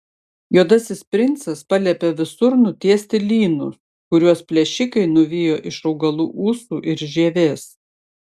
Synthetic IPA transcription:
juɔd̪ɐsʲɪspʲɾʲɪnt̪sɐspɐlʲɛpʲɛʋʲɪsʊɾnʊt̪ʲiɛsʲt̪ʲɪlʲiːnʊ | kʊɾʲuɔspʲlʲɛʃʲɪkɐɪnʊʋʲijoːʔɪʃɒʊɡɐlˠuːʔuːsuːʔɪɾʒʲiɛʋʲeːs

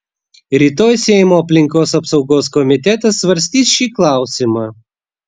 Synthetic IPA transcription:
ɾʲiːt̪oːjsʲɛɪmoːɐpʲlʲɪŋkoːsɐpsɒʊɡoːskɔmʲɪt̪ʲɛt̪ɐsːʋɐɾʲsʲt̪ʲiːsʃʲiːklˠɑˑʊsʲimɑː

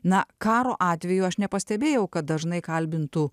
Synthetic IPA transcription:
nɐkɑːɾoːʔɑːt̪ʲʋʲɛjuːɐʃnʲɛpɐsʲt̪ʲɛbʲeːjɛʊkɐt̪̚d̪ɐʒnɐɪkɐlʲbʲɪnt̪u

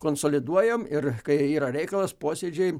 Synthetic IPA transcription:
koːnsoːlʲɪd̪uɔjɛmɪrkɐɪiːɾɐɾʲɛɪkɐlˠɐspoːsʲeːd͡ʒʲɛɪ

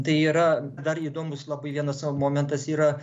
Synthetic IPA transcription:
t̪ɐiɾɐd̪ɐɾid̪omʊslˠɐbɐjvʲiɛnɐsəmomʲent̪ɐsiɾɐ

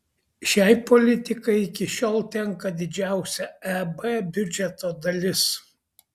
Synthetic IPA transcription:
ʃʲæˑɪpɔlʲɪt̪ʲɪkɐɪɪkʲɪʃʲoːlˠt̪ʲɛŋkɐd̪ʲɪd͡ʒʲæˑʊsʲɛɛbɛbʲʊd͡ʒʲɛt̪oːd̪ɐlʲɪs

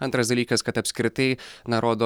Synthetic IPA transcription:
ɐnt̪ɾɐsd̪ɐlʲiːkɐskɐt̪ɐpʲsʲkɾʲɪt̪ɐɪnɐɾoːd̪oː

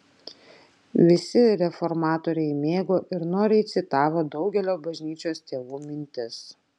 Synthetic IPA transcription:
ʋʲɪsʲɪɾʲɛfɔɾmɑːt̪oːɾʲɛɪmʲeːɡoːʔɪɾnoːɾʲɛɪt̪sʲɪt̪ɑːʋoːd̪ɒʊɡʲɛlʲoːbɐʒʲnʲiːt͡ʃʲoːst̪ʲeːʋuːmʲɪnʲt̪ʲɪs

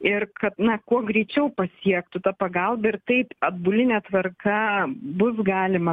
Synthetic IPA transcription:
ɪrkɐt̪nɐkuɔɡɾʲɛɪt͡ʃʲɛʊpɐsʲiɛkt̪ʊt̪ɐpɐɡɐlˠbɐɪrt̪ɐɪpɐd̪bʊlʲɪnʲɛt̪ʋɐrkɐbʊsɡɑːlʲɪmɐ

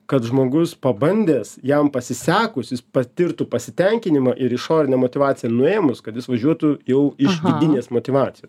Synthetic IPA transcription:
kɐt̪ʒmoːɡʊspɐbɐnʲd̪ʲeːsjɛmpɐsʲɪsʲæːkʊsjɪspɐt̪ʲɪɾt̪ʊpɐsʲɪt̪ʲɛŋʲkʲɪnʲɪmɐʔɪɾɪʃoːɾʲɪnʲɛmoːt̪ʲɪʋɑːtt͡s̪ʲɪjɛnʊeːmʊskɐt̪jɪsʋɐʒʲuɔt̪ʊjɛʊɪʃkʲɪd̪ʲɪnʲeːsmoːt̪ʲɪʋɑːt͡s̪ʲɪjoːss

